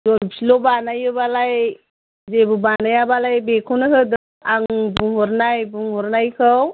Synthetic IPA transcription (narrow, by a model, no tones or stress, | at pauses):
zɔpsilɔbanajɯbalaj | zebɯbanajabalajbekʰuwnɯkʰɯdɯ | aŋbuŋhɔɾnajbuŋhɔɾnajkʰɯw